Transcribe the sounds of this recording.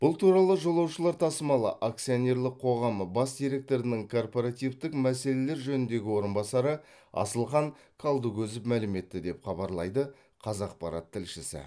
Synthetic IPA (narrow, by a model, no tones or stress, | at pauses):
b̥ʊlˠt̪ʰuɾɑlˠəʒo̞lˠɑwʃəlˠɑɾt̪ʰɑsəmɑlˠə̰ʔak̚t̪sijo̞nʲe̞ɾlɪqqʰo̞ʁɑməbɑsd̪ijɾe̞k̚t̪o̞ɾɪnɪŋkʰo̞rpoɾat̪ijvt̪ɪkmæse̞le̞le̞ɾʒɵnɪnd̪e̞ɡʲɪwo̞ɾənbɑsɑɾə | ɑ̰səlˠχɑŋ | kʰalˠd̪ukʲʰɵzɪpmælɪme̞t̪ːɪd̪e̞pχɑbɑɾlˠɑjd̪ə | qʰɑzɑq̚pɑɾɑ̰t̪ʰːɪlʃɪsɪ̰